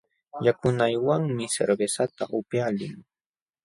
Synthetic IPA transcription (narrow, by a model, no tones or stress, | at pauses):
jakʊnajwaŋmɪsḛɾbesat̪a̰ʔʊpjalɪŋ